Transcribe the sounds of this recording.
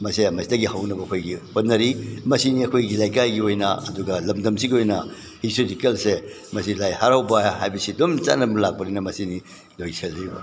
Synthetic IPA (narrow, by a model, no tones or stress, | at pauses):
mɐsiɐmɐsidɐɡihawnɐbɐɐkʰojɡihot̚nɐɾimɐsiniɐkʰojɡilajkajɡiojnɐɐduɡɐlɐmdɐmsiɡiojnɐ | histotikelse | mɐsilajhaɾawbɐɦajbɐsidumt͡ʃa̰nɐbɐlak̚bɐɾijnɐmɐsini | lojselɾibɐ̰